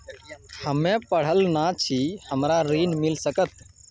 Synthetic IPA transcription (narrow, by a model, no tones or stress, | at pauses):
həmẽːpəɽ̤əlnat͡ʃʰihəmɾaɾiːnmɪlsəkət̪̚